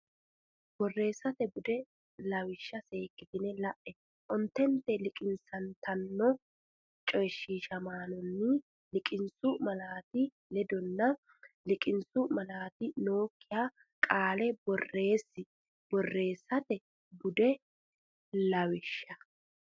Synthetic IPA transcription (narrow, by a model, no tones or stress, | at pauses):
b̥ɔrːe̞ːsːɐt̪ɛbʊd̪ɛ | lɐwɪʃːɐse̞ːkːɪt̪ɪnɛlɐʔɛ | ʔɔnt̪ːɛnt̪ːɛlɪkʼɪnsɐnt̪ɐnːɔ | t͡ʃʼɔjʃːiːʃɐmaːnɔnːɪ | lɪkʼɪnsʊmɐlaːt̪ɪ | lɛd̪ɔnːɐ | lɪkʼɪnsʊmɐlaːt̪ɪno̞ːkːɪjaː | kʼaːlɛbɔrːe̞ːsːɪ | b̥ɔrːe̞ːsːɐt̪ɛ | bʊd̪ɛ | lɐwɪʃːɐ